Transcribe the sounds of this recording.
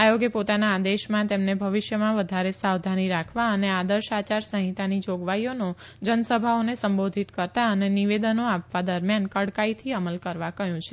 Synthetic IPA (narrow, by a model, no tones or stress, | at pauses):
ajoɡepot̪anaːd̪eʃmãt̪emnebʱəʋiʃjəmãʋəd̪ʱaɾesawd̪ʱaniɾakʰʋaənead̪əɾʃat͡ʃaɾsə̃ɦĩt̪anid͡ʒoɡʋaijono | d͡ʒənəsəbʱaonesəmbod̪ʱit̪kəɾt̪aəneniʋed̪ənoapʋad̪əɾmjankəɽkait̪ʰiəməlkəɾʋakəɦjũt͡ʃʰe